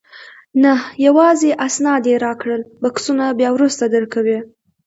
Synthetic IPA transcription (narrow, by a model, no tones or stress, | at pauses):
nahjawɑzeʔasnɑd̪eɾɑkɽəlbaksunabjɑwɾust̪ad̪əɾkawi